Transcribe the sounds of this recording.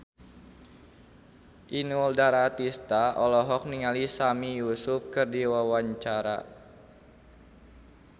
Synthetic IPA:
ʔinuldaɾat̪ist̪aʔɔlɔɦɔk̚niŋalisamijusʊf̚kɨrdiwawaɲt͡ʃaɾa

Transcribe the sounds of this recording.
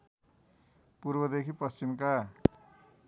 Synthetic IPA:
puɾbʌd̪ekʰipʌst͡ɕimka

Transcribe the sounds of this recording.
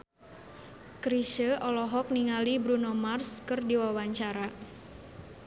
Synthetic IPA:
kɾiʃəʔɔlɔɦɔk̚niŋalibɾunɔmarskɨrdiwawaɲt͡ʃaɾa

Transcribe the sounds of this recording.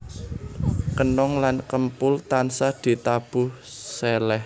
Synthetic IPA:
kənɔŋlankəmpʊlt̪ansad̪̥i̤t̪ab̥uh | sɛlɛh

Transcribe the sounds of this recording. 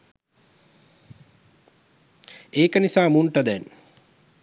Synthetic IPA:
eːkənisaːmunʈəd̪ɛn

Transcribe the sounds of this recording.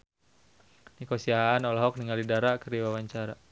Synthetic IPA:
nikɔsiaanɔlɔɦɔk̚niŋalidaɾakərdiwawaɲt͡ʃaɾa

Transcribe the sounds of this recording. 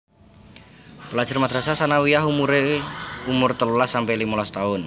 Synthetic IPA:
pəlḁʒ̥ʊrmad̪̥ɾasasanawijaɦumuɾeumʊrt̪əlulasampɛlimulast̪aʊn

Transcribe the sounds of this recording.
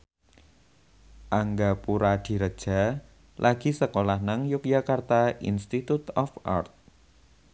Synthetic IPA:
ʔaŋɡapuɾad̪̥i̤ɾəd̥ʒ̥a̤ | lʔaɡ̥i̤səkolahnaŋjuk̚jakart̪aḭnst̪it̪ut̪ɔfa̰rt̪̚

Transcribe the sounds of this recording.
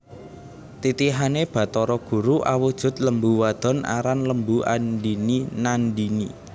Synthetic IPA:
t̪it̪iɦaneb̥ä̤t̪ɔɾɔɡ̥ṳɾuʔawud̥ʒ̥ʊ̤t̪̚ləmbuwad̪̥ɔ̤na̰ɾanləmbuʔa̰nɖininanɖini

